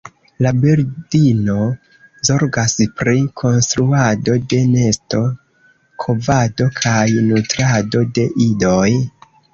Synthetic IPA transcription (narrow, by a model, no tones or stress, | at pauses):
labeɾdino̞ | zo̞ɾɡaspɾikʰo̞nstɾuado̞de̞ne̞sto̞ | kʰo̞vado̞kʰajnutɾado̞de̞ʔido̞j